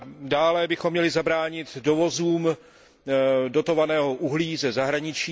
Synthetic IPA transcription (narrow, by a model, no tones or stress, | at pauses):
daːlɛbɪxomːɲɛlɪzabɾaːɲɪt̪do̞vo̞zuːm | do̞t̪o̞vanɛːɦo̞ʔuɦliːzɛzaɦɾaɲɪt͡ʃiː